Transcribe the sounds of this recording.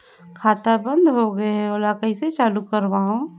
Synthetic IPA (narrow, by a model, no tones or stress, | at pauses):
kʰaːt̪abə̃nd̪ɦoɡɐeɦɛoːlakəiset͡ʃaːlukəɾʋaːɦõ